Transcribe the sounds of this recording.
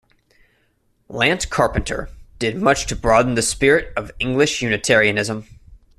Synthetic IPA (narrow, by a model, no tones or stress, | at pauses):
læ̃nskʰɑɹpɨ̃n̩tʰə̰˞d̥ɨd̚mʌt͡ʃtʰɨbɹɔdⁿn̩ðɨspɪɹɪɾʌvɪ̃ŋɡlɨʃjʉnɨtʰɛɹiɨnɪzə̃m